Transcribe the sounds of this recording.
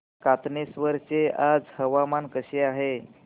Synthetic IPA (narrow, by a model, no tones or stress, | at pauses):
kat̪nesʋəɾt͡sead͡zhəʋamankəɕeaɦe